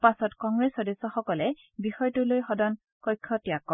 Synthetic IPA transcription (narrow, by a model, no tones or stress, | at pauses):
pasɔtkɔŋɡɹesɔdesɔxɔkɔlɛ | bixɔjtʊlojxɔdɔn | kɔjkʰːɔtijakːɔ